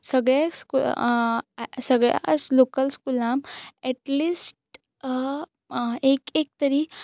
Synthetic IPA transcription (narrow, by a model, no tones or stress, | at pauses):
səɡɭjasku | səɡɭja̰slokəlskulamɛʈliːsʈ | ekek̚t̪əɾi